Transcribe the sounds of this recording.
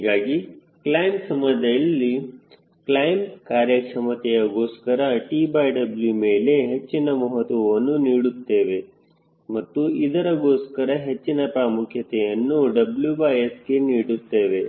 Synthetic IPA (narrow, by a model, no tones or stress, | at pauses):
ɦiːɡaːɡi | klɐjmsɐmɐd̪ɐjɐlːi | klɐjmkaːɾjɐsɐmɐt̪ɛjɐɡo̞ːskɐɾɐʈiːbɐːjɖɐbljume̞ːle̞ɦet͡ʃːinɐmɔɦɐt̪ʋɐʋɐnːuniːɽut̪ːe̞ːʋe̞ | mɐt̪ːuid̪ɐɾɐɡo̞ːskɐɾɐɦe̞t͡ʃːinɐpɾaːmukʰjɐt̪ɛjɐnːuɖɐbljubɐjeskeniːɽut̪ːe̞ːʋe̞